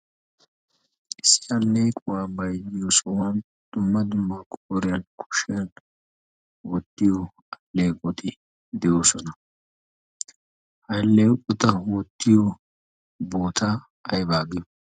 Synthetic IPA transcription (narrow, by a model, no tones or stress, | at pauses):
ʔɪsːɪ̥ɐlːejkʼʊwaːbɐjdɪjosɔwan | d̪̥ʊmːɐd̪ʊmːɐkʼoːɾɪjɐnkʰʊ̥ʃɪjɐn | wɔt̪ːɪjo | ɐlːeːkʼɔt̪ɪ | d̪ɛjoːsɔnɐ | hɐjlːeːkʼːɔt̪ɐwɔt̪ːɪjo | boːt̪ʰa | ɐjbaːɡɪj